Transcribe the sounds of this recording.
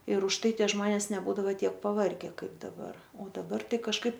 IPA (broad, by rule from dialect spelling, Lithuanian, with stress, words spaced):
ɪr ʊʃˈtɐɪ ˈtʲiɛ ˈʒmoːnʲɛs nʲɛˈbuːdɐʋoː ˈtʲiɛk pɐˈʋɐrʲɡʲɛ ˈkɐɪp dɐˈbɐr oː dɐˈbɐr ˈtɐɪ kɐʃˈkɐɪp